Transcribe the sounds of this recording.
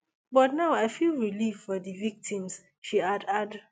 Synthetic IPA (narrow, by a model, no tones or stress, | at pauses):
bɔtnaʊaɪfilɹilivfɔdivik̚tʰĩms | ʃiadad